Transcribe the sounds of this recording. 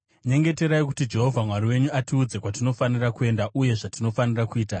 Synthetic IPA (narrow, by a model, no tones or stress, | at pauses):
ɲe̞ŋɡe̞te̞ɾaikutid͡ʒe̞ɦovʱamwaɾiwe̞ɲuatiud͡ze̞kwatino̞fanirakue̞ndaʔuje̞ʐatino̞fanirakuiːta